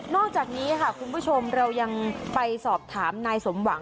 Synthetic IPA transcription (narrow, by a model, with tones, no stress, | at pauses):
nɔː˥˩k̚t͡ɕaː˨˩k̚niː˦˥kʰa˥˩kʰu˧npʰuː˥˩t͡ɕʰo˧mɾa˧wja˧ŋpa˧jsɔː˨˩p̚t̪ʰaː˩˦mnaː˧jso˩˦mwa˩˦ŋ